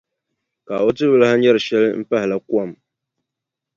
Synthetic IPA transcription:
ka˨o˦tɨ˦bɨ˦la˦ha˦ɲɛ˦ɾɨ˨ʃɛ˦lm̩˦pa˦hɪ˨la˦ku˦a˨m

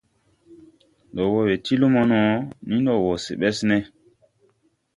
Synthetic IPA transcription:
ɗɔ˨wɔ˨we˨ti˦lo˦mɔ˦nɔ˨nĩ˦n˦ɗɔ˨wɔ˨sḛ˨ɓɛ˦snɛ˦

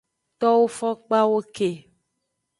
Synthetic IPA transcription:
t̪ɔ˦wo˦fɔ˦k͡pa˦wo˦ke˨

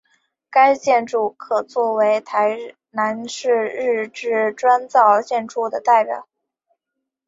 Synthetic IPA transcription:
ka˥ɪt͡ɕjɛ˥˧nʈ͡ʂu˥˩kʰɤ˨˩t͡swɔ˥˩we˧˥ɪt̪ʰa˧˥ɪ | na˧˥nʂɻ̩˥˧ɻɻ̩˥˧ʈ͡ʂɻ̩˥˩ʈ͡ʂwa˥nt͡sɑ˥˧ʊt͡ɕjɛ˥˧nʈ͡ʂu˥˩d̪ə˩t̪a˥˩ɪpjɑ̰˨˩˦ʊ

